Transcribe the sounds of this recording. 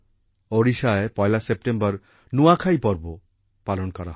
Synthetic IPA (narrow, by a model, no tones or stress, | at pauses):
oɾiʃaepɔelasep̚ʈembɔɾ | nuakʰajpɔɾbo | palonkɔɾa̰ɦ